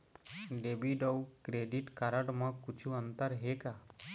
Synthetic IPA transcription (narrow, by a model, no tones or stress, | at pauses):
ɖebiɖəwkɾeɖiʈkaɾəɽmãkut͡ʃʰuənt̪əɾɦeka